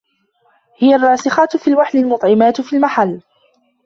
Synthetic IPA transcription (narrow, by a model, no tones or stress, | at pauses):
hɪjarˤːɑːsɪxɑt̪fiːlwaħlɪlmʊt̪ˤʕɪmaːt̪fiːlmaħalː